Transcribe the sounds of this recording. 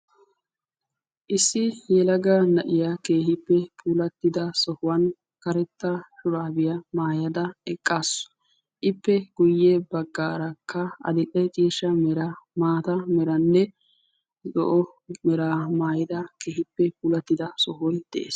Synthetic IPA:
ʔɪsːɪjɛlɐɡɐnɐʔɪjake̞ːhɪpːɛpʰuːlɐt̪ːɪd̪ɐsɔhʊwɐn | kɐɾɛt̪ːɐʃʊɾaːbɪjɐmaːjɐd̪ɐɛkʼːaːsɔ̥ | ʔɪpːɛɡ̥ʊjːeːbɐɡːaːɾɐkːɐɐ̰d̪ɪkʼɛt͡ʃʼiːʃɐmɛɾɐmaːt̪ɐmɛɾɐnːɛ | zɔ̰ʔɔ | mɛɾaːmaːjɪd̪ɐkeːhɪpːɛpuːlɐt̪ːɪd̪ɐsɔhɔjd̪̥ɛ̰ʔḛːs

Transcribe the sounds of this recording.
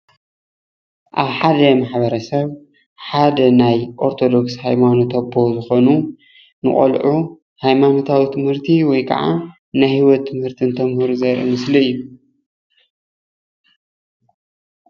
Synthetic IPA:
ʔaβħad̪ɐmaħbɐɾɐsɐβ | ħad̪ɐnajʔo̞ɾt̪ʰo̞d̪o̞kshajmanut̪ʰɐbozɨxo̞nu | nɨχʼɐ̰lʕu | hajmano̞t̪ʰawit̪ʰɨmhɨɾt̪ʰiwɔjkʰa̰ʕa̰ | najhiwɔt̪ʰːɨmhɨɾt̪ʰɨnt̪ʰɐmhɾuzɐɾʔḭmɨsliɨjːu

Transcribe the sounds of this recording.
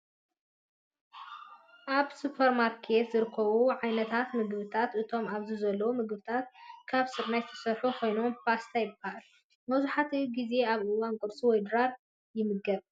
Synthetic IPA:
ʔaβsupʰɐɾmaɾkʰe̞t̪zɨɾɨkʰːɐβuʕajnɐt̪ʰat̪mɨɡβɨt̪ʰat̪ʔɨt̪ʰo̞maβzizɐlːɐwumɨɡbɨt̪ʰat̪̚kʰaβsɨɾnajzɨt̪ʰɐ̥sɐɾħukʰo̞jno̞mpast̪ʰajɪbaal | mɐzuħat̪ʰiɡize̞aβʔɨwankʼɨɾsʼiwɔjd̪ɨɾaɾ | jɪmɨɡɐβ

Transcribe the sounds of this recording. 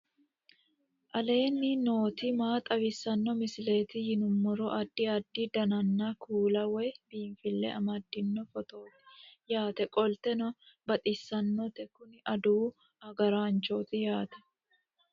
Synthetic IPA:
ʔɐle̞ːnːɪno̞ːt̪ɪmaːt̪ʼɐwɪsːɐnːɔmɪsɪle̞ːt̪ɪhɪnʊmːɔɾɔʔɐd̪ːɪɐd̪ːɪd̪ɐnɐnːɐkʰuːlɐwɛjbiːɱfɪlːɛ̰ʔɐmɐd̪ːɪnːɔfɔt̪o̞ːt̪ɪ̥jaːt̪ɛkʼɔlt̪ɛnɔbɐt̪ʼɪsːɐnːɔt̪ɛkʊnɪʔɐd̪uː | ɐɡɐɾaːnt͡ʃoːt̪ɪjaːt̪ɛ̥

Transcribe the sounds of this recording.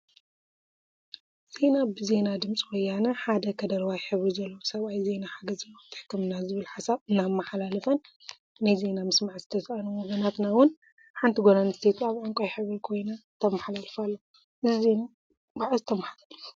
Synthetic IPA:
z̥e̞nabɨze̞nad̪ɨmt͡sʼiwɔjːanɐħad̪ɐkʰɐd̪ɐɾwajħɨβɾizɐlːɐwosɐβajze̞naħaɡɐzɐlːot̪ʰɨ̥ħkːɨmɨnazɨβɨlħasaβɨnːamːaħalalɐfɐnː | ajze̞namɨsmaʕzɨt̪ʰɐsʔɐnumoɡɐnat̪nawʊn | ħant̪ʰiɡonanɨst̪ʰe̞t̪aβʕɨŋkʼajħɨβɾikʰo̞jnat̪ʰɐmaħlalfalːo | ʔɨzizena | baʕzɨt̪ʰɐmaħalɐ

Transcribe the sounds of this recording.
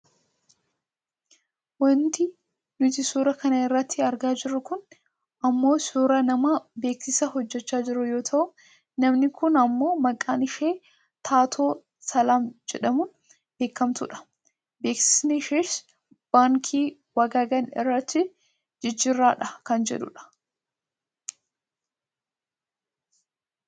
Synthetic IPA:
wɐnt̪ɪ | nʊt̪ɪsuːɾɐkɐnɐɪrːɐt̪ʰːɪɐɾɡaːd͡ʒɪɾːʊkʊn | ɐmːo̞ːsuːɾɐnɐmabe̞ːksɪsɐɦɔd͡ʒːɛt͡ʃːaːd͡ʒɪɾʊjo̞ːt̪ʰɐʔʊ | nɐmnɪkʊnɐmːo̞ːmɐkʼːaːnɪʃe̞ː | t̪ʰaːt̪ʰo̞ː | sɐlaːmd͡ʒɛᶑɐmʊ | be̞ːkːɐmt̪ʊᶑɐ̥ | be̞ːksɪ̥sniʃeːs | b̥aːŋkʰiː | wɐɡaːɡɐnɪ̰rːɐt̪ːɪ | d͡ʒɪd͡ʒːɪrːaːᶑɐkɐnd͡ʒɛ̰ᶑʊ̰ᶑɐ̥

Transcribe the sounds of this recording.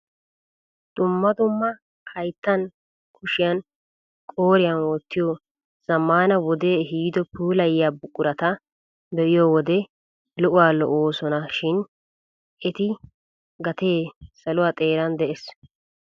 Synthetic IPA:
d̪̥ʊmːɐd̪ʊmːɐ | hɐjt̪ːɐn | kʰʊʃɪjɐn | kʼo̞ːɾɪjɐnwɔt̪ːɪjɔ | z̥ɐmːaːnɐwɔd̪e̞ːɦiːd̪ɔpuːlɐjɪjabʊkʼːʊɾɐt̪ɐ | bɛʔɪjɔwɔd̪ɛ | lʊʔʊwaːlɔʔoːsɔnɐʃɪn | ɛt̪ɪ | ɡɐt̪e̞ːsɐlʊwaːt̪ʼe̞ːɾɐnd̪ɛʔes

